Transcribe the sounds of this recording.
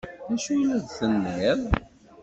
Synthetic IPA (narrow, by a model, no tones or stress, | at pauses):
ðæʃujəlæðθənːæl